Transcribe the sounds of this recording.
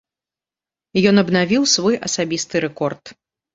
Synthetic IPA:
jɔnɐbnavʲiwsvɔjʔɐsabʲist̪ɨɾɛkɔrt̪

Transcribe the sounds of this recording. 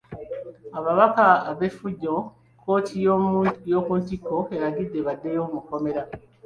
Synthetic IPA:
aβaβakaːβe̞fuɟːo̞ | kʰo̞ːtʰijjo̞ːkuntikːo̞e̞ɾaɡidːe̞βadːe̞jo̞ːmukːo̞me̞ɾa

